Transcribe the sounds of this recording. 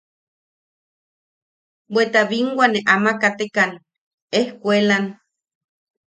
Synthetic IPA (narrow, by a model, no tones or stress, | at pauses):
bwet̪aβiŋɡwaneʔamakat̪ekan | ehkʷelan